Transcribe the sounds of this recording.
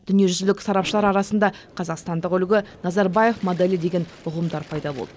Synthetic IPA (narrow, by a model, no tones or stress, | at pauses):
d̪̥ʏnije̞ʒʏzɪlɪkʲsɑɾɑpʃəlˠɑɾɑɾɑsənd̪ɑqʰɑzɑqst̪ɑnd̪əqʏlɡʲɪnɑzɑɾbɑje̞fmod̪elʲid̪e̞ɡʲe̞nʊqəmd̪ɑɾpʰɑjd̪ɑbo̞̰lˠd̪ə